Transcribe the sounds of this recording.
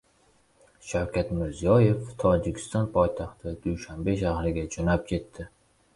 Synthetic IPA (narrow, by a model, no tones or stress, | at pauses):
ʃawkʲat̪mɪɾzijɒje̞ft̪ʰɒd͡ʒɪkʲʰɪ̥st̪ɒnpʰɒjt̪ʰaχt̪ʰɪd̪ujʃambe̞ʃahɾɪɡʲad͡ʒonap̚kʲʰe̞t̪ːɪ